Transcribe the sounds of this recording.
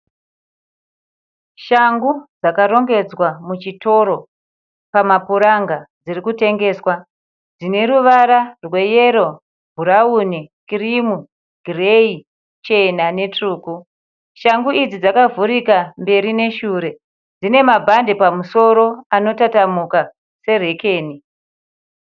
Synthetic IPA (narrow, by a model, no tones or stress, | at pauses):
ʃaŋɡud͡zakaɾo̞ŋɡe̞d͡zwamut͡ʃito̞ɾo̞ | pamapuɾaŋɡad͡zirikute̞ŋɡe̞ːswa | d͡zine̞ɾuʋaɾarwe̞je̞ɾo̞ | bʱuɾaunikirimu | ɡ̥ʱirei | t͡ʃe̞nane̞truːku | ʃaŋɡuid͡zid͡zakavuɾikambe̞ɾine̞ʃuɾe̞ | d͡zine̞mabʱande̞pamuso̞ɾo̞ano̞tatamuka | se̞re̞ke̞ːni